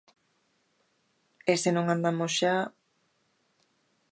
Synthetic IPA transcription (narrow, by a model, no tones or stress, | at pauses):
esenõŋãnd̪amosʃa